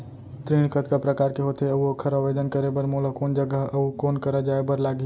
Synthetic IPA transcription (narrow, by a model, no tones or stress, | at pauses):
t̪ɾiɽ̃kət̪kapɾəkaːɾkeɦot̪eəuəkʰəɾəbed̪ənkəɾebəɾmoləkoːnd͡ʒəɡəɦəukoːnkəɾəd͡ʒaːebəɾlaːɡi